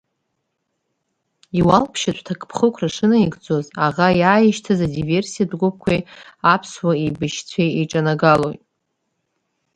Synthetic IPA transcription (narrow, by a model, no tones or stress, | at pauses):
iwalpʰʃat͡ɕʷtʰakʼpʰχəkʷʰraʂɨnaiɡd͡zo̞zaʁajaːjɪʃtʰazadive̞rsijadɡʷʊp̚ʰkʷʰajapʰswaejbɨʃt͡sʷʰejeʈ͡ʂʼanaɡalo̞jtʼ